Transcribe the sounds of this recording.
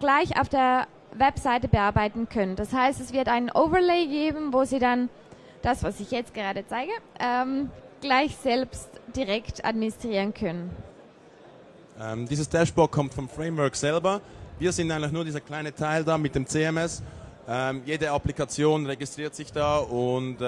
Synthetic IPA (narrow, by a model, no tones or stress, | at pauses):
ɡ̥laɪça̰ʊfd̥eːɐ | vɛpz̥aɪtəbəʔaɐbaɪtn̩kʰœnənd̥ashaɪstɛsv̥ɪɐtaɪnənʔoʊvɐleːɡeːbm̩voːziːdan | d̥asv̥asɪçjɛt͡st̚ɡ̥əʁaːdət͡saɪɡəʔɛːmɡ̥laɪçz̥ɛlpstd̥iʁɛkta̰dminɪstʁ̥iːʁənkʰœnən | ʔɛːmdiːzəsd̥ɛʃb̥ɔt̚kʰɔmtfɔmfʁeɪmvœɐkz̥ɛlbɐviːɐzɪndaɪnlɪçnuːɐdiːzɐkʰl̥aɪnətʰaɪldaːmɪt̚d̥eːmt͡seɛmɛs | ʔɛmjeːdəaplikat͡sjoːnʁeɡɪstʁ̥iːɐtz̥ɪçd̥aːʊnt